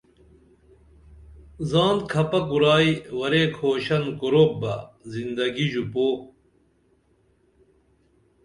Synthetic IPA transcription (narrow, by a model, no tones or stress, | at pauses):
zaːnd̪kʰɐpɐkuɾaːiwɐɾeːkʰoːɕɐnkuɾoːk̚bɐ̰zind̪ɐɡiʑupoː